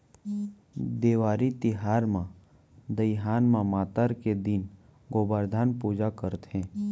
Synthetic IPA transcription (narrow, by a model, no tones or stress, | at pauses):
d̪eːʋaːɾit̪ɪɦaːɾmã | d̪əjɦaːnmãmaːt̪əɾked̪ɪn | ɡoːbəɾd̪ʱaːnpuːd͡ʒakəɾt̪ɦɛ̃ː